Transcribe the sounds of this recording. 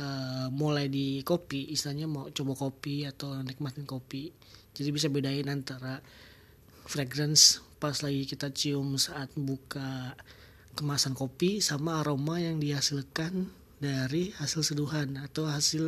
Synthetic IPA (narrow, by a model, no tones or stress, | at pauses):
əmulajdikopiʔːsiaɲamawt͡ʃobɔkopiat̪awɾaŋdikəmat̪ɪnkopi | d͡ʒadibis̬abedaɪnant̪aɾa | freɡɾɛnspaslaɡikit̪at͡ʃiʊmsaʔːt̪̚buka | kəmaːsankopisamaːɾomajaŋdihasɪlkan | daɾihasɪlsəduɦanat̪awɦasɪl